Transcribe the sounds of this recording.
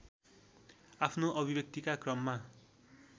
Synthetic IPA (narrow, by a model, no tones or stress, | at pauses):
apʰnoʔʌbʱibʌk̚t̪ikakrʌmːa